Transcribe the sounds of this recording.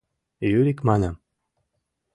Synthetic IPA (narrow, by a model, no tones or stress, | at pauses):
jyɾikmɑnə̆m